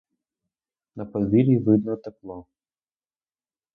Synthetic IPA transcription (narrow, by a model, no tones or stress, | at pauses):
nɐpɔd̪ʋʲilʲiʋɪd̪nɔt̪ɛplˠɔ